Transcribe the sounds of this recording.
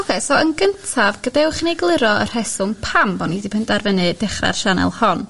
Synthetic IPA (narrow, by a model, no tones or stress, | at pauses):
ɔkʰɛsɔənɡəntʰavɡədawχnejɡlˠɪɾɔər̥ɛsʊmpʰambɔnidipʰəndarvənɨdɪχra̰rʃanɛ̰lˠhɔn